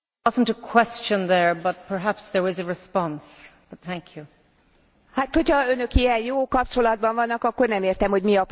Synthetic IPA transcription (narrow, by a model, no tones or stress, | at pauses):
ʌzə̃n̩təkʰw̥ɛst͡ʃə̃nðə˞bʌt̚pʰə˞ɦæpsðə˞ɪzəɹɪspɑ̃nsb̥ʌt̪̚θæ̃ŋkʰju | hat̪ho̞cʰɒø̞nø̞kiɛnjoːkɒp̚t͡ʃo̞lɒd̪̚bɒɱvɒnːɒkɒkːo̞rnɛmeːrt̪ɛmho̞ɟmiɒp